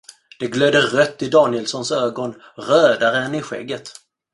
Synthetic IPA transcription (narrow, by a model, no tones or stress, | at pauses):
d̪̥ɛɡløːd̪əɾœt̪ːɪd̪ɑːnɪjɛlsɔnsøːɡɔn | ɾøːd̪aɾəɛnɪɧɛ̰ɡːət̪